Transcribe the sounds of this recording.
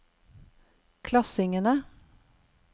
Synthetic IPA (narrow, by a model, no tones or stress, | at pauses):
kʰlɑsɪŋənə